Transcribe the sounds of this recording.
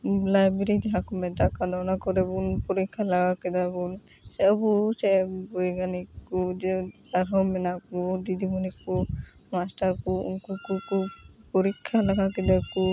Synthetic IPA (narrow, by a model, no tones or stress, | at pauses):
lajbeɾid͡ʒɛɦakɔmɛd̪akanɔnakɔɾɛbunpɔɾikʰːalaɡakɛd̪abun | sɛɔbusɛbɔjɡanikɔd͡ʒɛ | aɾɦɔmɛnakɔd̪id̪ibɔnikɔ | masʈaɾkɔṵnkukukupɔɾikʰːalaɡakɛd̪aku